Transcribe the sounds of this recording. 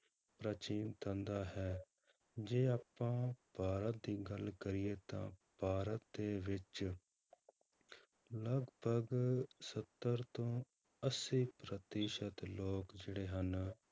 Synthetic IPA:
pɾət͡ʃiːnt̪ʰə̃ːnd̪aːɦɛː | d͡ʒeːaːpːãːpaːɾət̪̚d̪iːɡəlkəɾɪːeːt̪ã̰ːpaːɾət̪̚d̪eːʋɪt͡ʃ | ləɡbʱəɡsət̪ːəɾt̪õː | əsiːpɾət̪iːʃət̪loːkd͡ʒeːɽeːɦən

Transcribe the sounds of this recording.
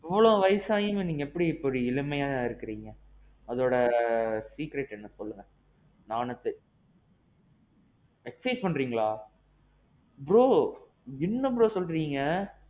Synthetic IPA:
ɛʋːɐɭõʋɐjsaːjɯmeniːŋɡɐɛpːɐɽiːpːɔɾiɪɭɯmɐjaːɪɾɯkːɯɾiːŋɡɐ | ɐðoːɽɐsiːkɾɛʈːɛnːɐsɔlːɯŋɡɐ | naːnɐt̪ːɯ | ɛksɐɪspɐɳːɾiːŋɡɐɭaː | bɪɾoː | ɪnːɐbɪɾoːsɔlɾiːŋɡɐ

